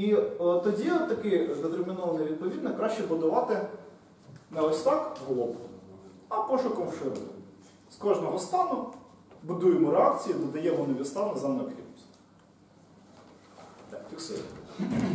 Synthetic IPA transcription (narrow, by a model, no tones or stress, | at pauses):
it̪ɔdʲit̪ɐkɪd̪et̪ermʲinɔʋɐnɪjʋʲid̪̚pɔʋʲid̪nɛkɾɑʃt͡ʃɛbʊd̪ʊʋɑt̪ɪ | nɛɔsʲt̪ɑkɦlˠɔb | ɐpɔʃʊkɔmʃɪɾ | skɔʒnɔɦɔst̪ɑnʊbʊd̪ujemɔɾeɑkt͡sʲijinɐd̪ɐjɛmɔnɔʋʲist̪ɑnɐzɛmnɐpʲḭsʲ | fʲiksɪ̰